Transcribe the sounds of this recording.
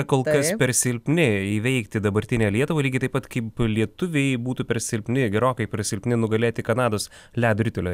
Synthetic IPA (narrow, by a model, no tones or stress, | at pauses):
koːlˠkɐspʲɛɾsʲɪlʲpʲnʲɪiʋʲɛɪkt̪ʲɪd̪ɐbɐɾʲt̪ʲɪnʲeːlʲiɛt̪ʊʋɐːlʲiːɡʲɪt̪ɐɪpɐt̪kɐɪplʲiɛt̪ʊʋʲeɪbuːt̪uːpʲɛɾsʲɪlʲpʲnʲɪɡʲɛɾoːkɐɪpʲɛɾsʲɪlʲpʲnʲɪnʊɡɐlʲeːt̪ʲɪkɐnɑːd̪oːs | lʲæːd̪ʊɾʲɪt̪ʲolʲoː